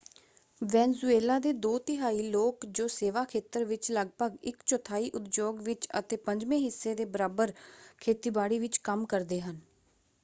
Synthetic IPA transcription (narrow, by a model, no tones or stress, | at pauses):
ʋɛːnzueːlaːd̪eːd̪oːt̪ɪɦaːiːloːkd͡ʒoːseːʋaːkʰeːt̪əɾʋɪt͡ʃləɡpəɡɪkt͡ʃɔt̪ʰaːiːʔʊt̪d͡ʒoːɡʋɪt͡ʃə̰t̪eːpəɲd͡ʒmẽːɦɪsːeːd̪eːbəɾaːbəɾkʰeːt̪iːbaːɽiːʋɪt͡ʃkəmkəɾd̪eːɦən